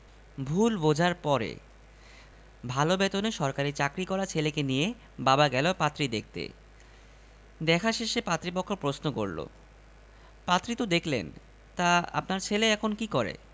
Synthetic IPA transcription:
bʱulbod͡ʑʱaɾpɔɾḛ | bʱalobɛt̪oneʃɔɾkaɾit͡ɕakɾikɔɾat͡ɕʰelekenije | babaɡɛlopat̪ːɾid̪ek̚ʰt̪ḛ | d̪ɛkʰaʃeʃepat̪ːɾipokʰːoɾpɾosnoko̰ɾlo̰ | pat̪ːɾit̪od̪ekʰlḛn | t̪aa̰pnaɾt͡ɕʰeleɛkʰonkikɔɾḛ

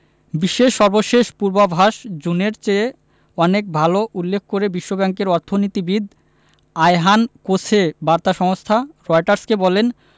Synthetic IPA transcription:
biʃːeʃːɔɾboʃeʃpuɾbabʱaʃd͡ʑuneɾt͡ɕe | ɔnek̚bʱaloʔulːek̚ʰːkoɾebiʃːobɛŋkeɾɔɾt̪ʰonit̪ibid̪ | ajɦankot͡ɕʰebaɾt̪aʃɔŋost̪ʰaɾɔjʈaɾskebɔlen

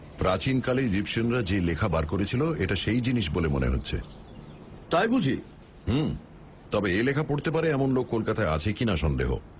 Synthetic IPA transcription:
pɾat͡ɕinkaleid͡ʑipʃonɾad͡ʑelekʰabaɾkoɾet͡ɕʰiloeʈaʃejd͡ʑiniʃbolemo̰nḛɦo̰tːɕʰḛ | t̪ajbud͡ʑʱi | h̩ | t̪ɔbeelekʰapoɽt̪epaɾeɛmonlokːolkat̪aea̰t͡ɕʰekinaʃɔnd̪ḛɦo̰

